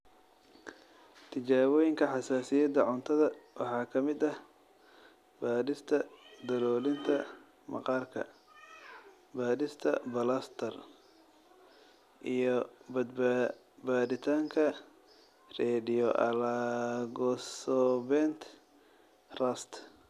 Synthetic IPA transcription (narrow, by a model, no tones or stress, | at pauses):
t̪ʰɪt͡ʃaːɣɔjɪŋkʰɐħɑsaːsɪjɐd̪ːɐʕʊnt̪ʰɐðɐwɑ̰ħɑːkʰɐmɪd̪ɐh | baːdɪst̪ʰɐd̪ɐlɔːlɪnt̪ʰɐ | mɑ̰qɑːrkʰɐ̰ | baːdɪst̪ʰɐ̰bɐlast̪ʰɐr | ʔijɔbɐd̪ | baːd̪ɪt̪ʰaːŋkʰɐ | rɛːdɪjɔʔɐ̰laɡɔːsɔbɛnt̪ʰ | rɐst̪ʰ